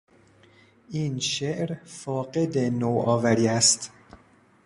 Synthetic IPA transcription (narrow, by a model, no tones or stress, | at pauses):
ʔinʃeʔɾfɒːɡe̞d̪enoʔɒːvæɾiːæst̪